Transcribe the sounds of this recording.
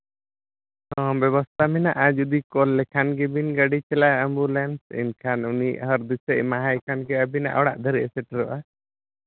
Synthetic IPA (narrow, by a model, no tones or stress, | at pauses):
ɔ̃bɛβɔst̪ʰaminaʔad͡ʒud̪ikɔlːɛkʰanɡɛbinɡaɖit͡ʃɛlaɛmbulɛnsḭnkʰanuniʔɦəɾd̪isɛʔmaɦajkʰanɡɛəbina̰ʔɔɽa̰ʔd̪ʱəɾɛʔɛsɛʈɾɔʔa